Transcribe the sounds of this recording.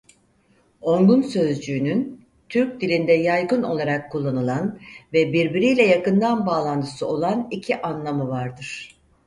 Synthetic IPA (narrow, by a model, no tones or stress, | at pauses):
o̞ŋɡ̪unsø̞zd͡ʒyːnyn | t̪ʰyɾc̚d̪ilʲind̪ɛjajɡɯno̞̰lˠaɾakʰːulˠːanɯlˠanvɛbiɾbiɾijlʲɛjakɯnd̪anbaːlˠant̪ʰɯ̥sɯo̞lˠanicʰiʔanlˠamɯvaɾd̪ɯɾ̥